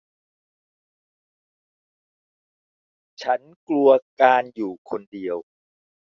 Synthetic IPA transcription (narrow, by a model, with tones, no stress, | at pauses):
t͡ɕʰa˦˥n | klu˧ɐkaː˧njuː˨˩kʰo˧ndi˧əw